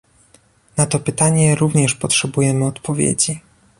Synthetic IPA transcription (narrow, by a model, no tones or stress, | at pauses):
nat̪ɔpɘt̪aɲɛɾuvɲɛʂpɔtʂɛbujɛmɘɔt̪pɔvʲjḛd͡ʑi